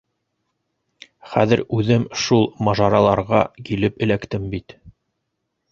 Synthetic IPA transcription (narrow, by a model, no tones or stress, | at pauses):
χæðɘɾʉðɘmʃulˠmɑʒɑɾɑlˠɑɾʁɑkilɘpɘ̆lækt̪ɘmbit̪